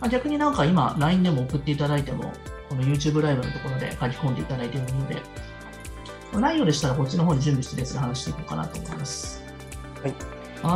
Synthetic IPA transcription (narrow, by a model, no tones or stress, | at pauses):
maɡʲakɯ̟ɲ̟inãŋkaimaɾaĩnd̪e̞mo̞ːkɯ̟t̪ːe̞it̪ad̪ait̪e̞mo̞̰ko̞no̞jɯ̟ːt͡ɕɨːbɯ̟ɾaibɯnot̪o̞ko̞ɾo̞d̪e̞̰kakʲi̥kõ̞nd̪e̞it̪ad̪ait̪e̞moino̞d̪e̞̰ | manaijo̞ːd̪e̞ɕi̥t̪aɾako̞t͡ɕino̞ɦo̞ːɲ̟iʑɨ̃mbʲisi̥t̪ed̪et͡sɨd̪ehanaɕi̥t̪e̞iko̞ːka̰na̰t̪oːmo̞ḭmasɨ̥ | i | ha